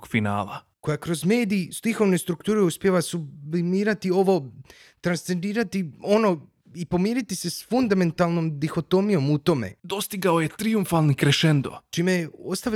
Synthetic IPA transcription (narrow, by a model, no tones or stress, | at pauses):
ɡfina̰ːla̰ | ko̞jakɾo̞zme̞ːd̪iːst̪ixo̞ʋne̞st̪ɾukt̪uːɾeuspje̞ʋasublimiːɾat̪io̞ʋo̞ | t̪ɾanst̪se̞nd̪iːɾat̪io̞no̞ | ipo̞miːɾit̪ise̞sfund̪ame̞nt̪alˠno̞md̪ixo̞t̪o̞mijo̞mut̪o̞mḛd̪o̞st̪iɡaojet̪ɾiuɱfalˠnikɾeʃend̪o̰t͡ʃiːmejeost̪aʋ